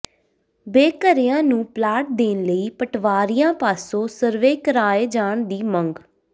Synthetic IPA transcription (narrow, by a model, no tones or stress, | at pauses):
beːkəɾɪjãːnũːplaːʈ̚d̪eːnləiːpəʈʰʋaːɾɪjãːpaːsõːsəɾʋeːkəɾaːeːd͡ʒaːɳd̪iːməŋɡ